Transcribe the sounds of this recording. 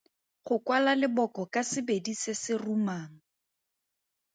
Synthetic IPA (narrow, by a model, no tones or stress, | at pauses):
χʊkwalalɪbɔkɔkasɪbedisɪsɪrumaːŋ̩